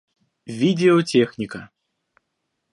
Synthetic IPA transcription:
vʲid̪ʲɛɔt͡sʲɛxnʲikɐ

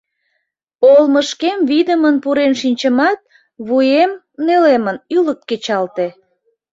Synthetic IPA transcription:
olməʃkemβid̪əmənpuɾenʃinʲt͡ɕəmɑt̪̚ | βujem | nelemənylək̚t̪ket͡ɕɑlt̪e

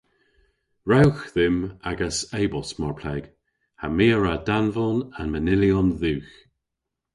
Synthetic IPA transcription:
ɹawxðɪmaɡəsejbɔsmɔɹpʰlɛːɡ̥ | hamiːəɹadanvɔnanmənɪliɔnðuːx

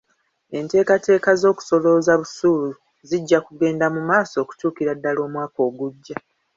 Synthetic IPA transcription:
e̞nte̞ːkate̞ːkazo̞ːku̥so̞lo̞zaβusuːlu | ziɟːakuɡe̞ːndamumaːso̞ːku̥tuːkiɾadːalo̞ːmwaːko̞ːɡuɟːa

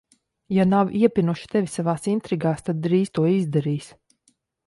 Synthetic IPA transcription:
janawiɛpʲinuʃi̥t̪ɛvʲisavaːsint̪ɾiɡaːst̪ad̪̚ːɾiːst̪uɔizd̪ɛɾiːs

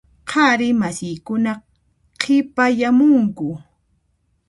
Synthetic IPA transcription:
qʰɑɾɪmasɪjkʊna | qʰɪpajamʊŋkʊ

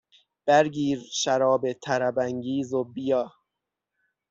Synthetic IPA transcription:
b̥æɾɟiːɾʃæɾɒːbet̪ʰæɾæbæŋɟiːzobijɒː

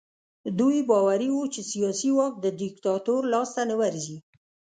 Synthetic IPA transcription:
d̪ujbɑwaɾiwut͡ʃesijɑsiwɑk̚d̪əd̪ɪkt̪ɑt̪oɾlɑst̪anəwaɾzi

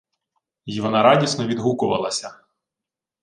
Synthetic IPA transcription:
jiʋɔnɑɾɑdʲisnɔʋʲid̪ɦukʊʋɐ̰lˠɐsʲɐ

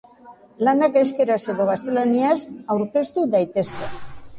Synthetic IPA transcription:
lanakeskeɾaseðoɣast̪elanjasawɾkest̪ud̪ajt̪eska

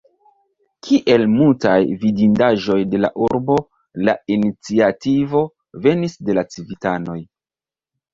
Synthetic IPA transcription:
kʰiʔe̞lmultajvidindaʒo̞jde̞la̰ʔuɾbo̞ | la̰init͡siativo̞ | ve̞nisde̞lat͡sivitano̞j

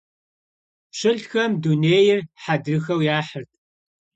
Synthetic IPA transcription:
ɕɨɬxɐmduneːjɪrħadrɨxɐwjaːħərtʰʼ

